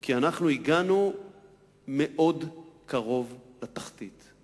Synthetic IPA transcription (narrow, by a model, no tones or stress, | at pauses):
kianaχnuiɡanu | me̞ʔo̞dkaʁo̞vlat̪aχtit